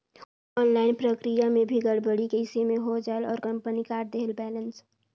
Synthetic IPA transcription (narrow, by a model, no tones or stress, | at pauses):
ɔːnlaːɪnpɾəkɾijamẽbʱiɡəɽbəɽikəɪsemeɦod͡ʒaelɔːɾkəmpənikaːɾ̚d̪eɦəlbɛːləns